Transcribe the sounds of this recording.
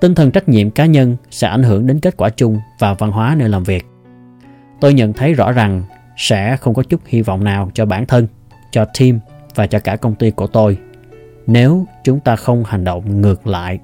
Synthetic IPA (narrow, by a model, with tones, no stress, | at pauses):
t̪ï˧ŋt̪ʰə˨˩nt͡ɕa˦˥k̟̚ɲḭ˧˨əmkaː˨˦ɲə˧nsɛ̰˧˥ʔa˧˩ŋ̟ɦɨ˧˩əŋɗe˨˦nke˦˥t̚kwaː˧˩t͡ɕʊ˧ŋ͡mvaː˨˩va˧nɦwaː˨˦ne˧jlaː˨˩mvi˨˩ək̚ | t̪o˧jɲə̰˧˨nt̪ʰə˨˦jzɔ̰˧˥za˨˩ŋ | sɛ̰˧˥xə˧wŋ͡mkɔ˨˦t͡ɕʊ˦˥t̚hi˧vɔ̰˧˨wŋ͡mnaː˨˩wt͡ɕɔ˧ɓaː˧˩nt̪ʰə˧n | t͡ɕɔ˧t̪ʰi˧m | vaː˨˩t͡ɕɔ˧kaː˧˩kə˧wŋ͡mt̪i˧ku˧˩ət̪o˧j | ne˨˦wt͡ɕʊ˨˦ŋ͡mt̪aː˧xə˧wŋ͡mha˨˩jŋ̟ɗo̰˧˨wŋ͡mŋɨ˨˩ək̚la̰ː˧˨j